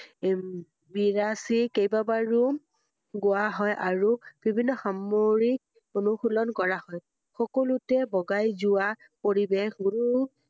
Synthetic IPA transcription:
biɹasikejbabaɹu | ɡʊaɦɔjʔaɹub̥ʱibʱinːɔxamoɹik̚ | onuxulɔnkɔɹahɔj | xɔkolutɛbɔɡajzʊa | poɹibexɡunu

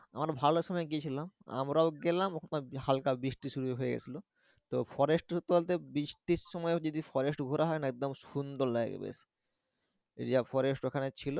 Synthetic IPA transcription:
a̰maɾbʱaloʃɔmɔeɡit͡ɕʰilama̰mɾaoɡɛlamokʰonmahalkabɾiʃʈiʃuɾueɦojeɡɛ̰t͡ɕʰilo | t̪ofʰɔɾesʈut̪ːoalt̪ebɾiʃʈiʃːɔmɔed͡ʑod̪ifʰɔɾesʈɡʱoɾaɦɔenɛk̚d̪omʃund̪oɾla̰ɡḛbḛsʰ | ḛɾiafɔɾesʈokʰanet͡ɕʰilo

